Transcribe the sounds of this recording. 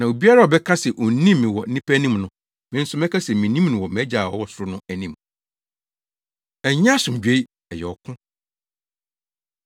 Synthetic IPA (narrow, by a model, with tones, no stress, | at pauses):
nã˨o˨bi˦a˦ɾa˦˨ɔ˨bɛ˦kʰã˦sɛ˨ʔo˨˦nĩ˦mːɪ̃˨wɔ˨˦nĩ˦pʰæ˦nĩ˦mnʊ̃˨ | mɪ̃˦n̩˦sʊ˦mɛ˦kʰa˦sɛ˨mĩ˨nĩ˦mnʊ̃˨wɔ˨mɛ˦d͡ʑa˨wɔ̰˦wɔ˦sʊ˨ɾʊ˦nʊ̃˦æ˨nĩ˦m | ɛ˨ɲã˦˨sʊ̃˨m˨d͡ʑᶣe˨˦i˦ | ɛ˨jɛ˨ɔ˨kʰʊ̃˦